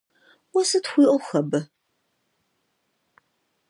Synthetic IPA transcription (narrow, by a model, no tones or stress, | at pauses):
wɔsɨtxʷiːʔʊxɐbɨ